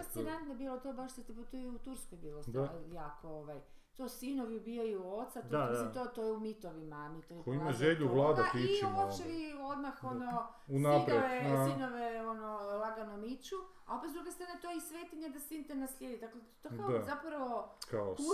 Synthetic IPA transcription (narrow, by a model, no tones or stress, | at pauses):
ast̪inant̪nobilˠot̪obaʃt̪at̪ipot̪ojut̪uɾskojbiːlˠosajaːkooʋaj | t̪osinoʋiubiojuot̪sat̪oait̪ot̪ojɛumit̪oʋimamit̪ojekoimaʒeʎuvlˠaːd̪at̪iot͡ʃeʋio̞d̪maxono | unanpɾoeʋesinoʋeonolˠaɡanomit͡ʃu | a̰opet̪ɾuɡest̪ɾanet̪oisʋeːt̪iɲad̪asint̪enasʎʲed̪it̪akle | t̪odkaoazapɾaʋokaou